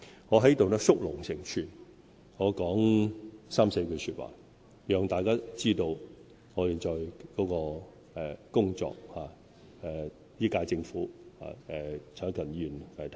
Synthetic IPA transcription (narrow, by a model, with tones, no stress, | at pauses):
ŋɔː˨˧ɦɐ˨˥jt̪wnɛ˥sʊ˥k̚lʊ˨˩ŋsɪ˨˩ŋt͡ʃʰyː˨˩n | ŋɔː˨˧kɔː˨˥ŋsaː˥mse˧jkʰɵ˨˧ɥsyː˧t̚wa̰ː˨˩ | jœː˨ŋt̪aː˨jkaː˥t͡siː˥t̪o˧w | ŋɔː˨˧jiː˨˩nt͡ʃɔː˨jkɔː˨˥kɔː˧ | ɛ˨kʊ˥ŋt͡sɔ̰ː˧k̚haː˨˩ | ɛː˨ | jiː˥kaː˧jt͡sɪ˧ŋfuː˨˥ha̰ː˨ɛː˨˩t͡sʰœː˨˥ŋkʰɐ˨˩njyː˨nka˨˩t̪ʰ